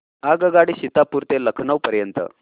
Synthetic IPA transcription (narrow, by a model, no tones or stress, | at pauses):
aɡəɡaɽiɕit̪apuɾt̪eləkʰɳəwpəɾjənt̪ə̰